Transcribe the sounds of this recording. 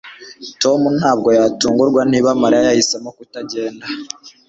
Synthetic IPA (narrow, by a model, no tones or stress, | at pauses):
to̞mun̥haːbɡo̞jaːtuːŋɡuɾɡwan̥iβamaɾajahisemokutaɟe̞ːnda